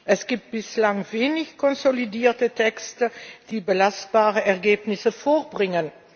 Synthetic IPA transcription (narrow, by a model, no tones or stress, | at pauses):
ʔɛsɡ̥iːp̚t̚b̥ɪslaŋveːnɪçkʰɔnzolidiːɐtətʰɛkstəd̥iːbəlast̚b̥aːʁəʔɛɐɡeːpnɪsəfoːbʁɪŋən